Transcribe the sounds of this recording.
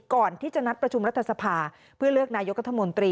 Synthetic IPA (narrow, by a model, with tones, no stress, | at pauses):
kɔː˨˩nt̪ʰiː˥˩t͡ɕa˨˩ʔna˦˥t̪̚pɾa˧t͡ɕʰu˧mɾa˦˥t̪ʰːa˧sa˧pʰaː˧ | pʰɯ˥˩ɐlɯ˥˩ək̚naː˧jo˦˥k̚ɾa˥t̪ʰːa˧mo˧nt̪ɾiː˧